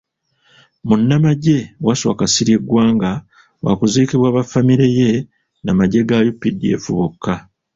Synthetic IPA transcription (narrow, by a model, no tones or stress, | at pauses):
munːamaɟe̞waswa̰kasiɾje̞ɡwaːŋɡa | wa̰kuziːkiβwaːβafamiɾe̞je̞ | namaɟe̞ɡajupːidie̞̰fuβukʰːa